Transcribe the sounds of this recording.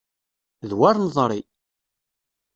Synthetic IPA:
ðwaɾnðˤɾˤi

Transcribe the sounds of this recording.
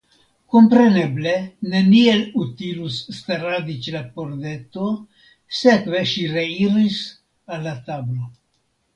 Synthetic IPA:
ko̞mpɾe̞ne̞ble̞ne̞nielut̪ilusːt̪aɾad̪it͡ʃlapoɾd̪e̞t̪o̞ | se̞kve̞ʃiɾe̞iɾis | alːat̪ablo̞

